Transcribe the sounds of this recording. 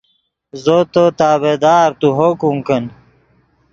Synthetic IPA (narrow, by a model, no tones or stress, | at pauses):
zot̪ot̪aːbed̪aːɾt̪uɦokuŋkɐn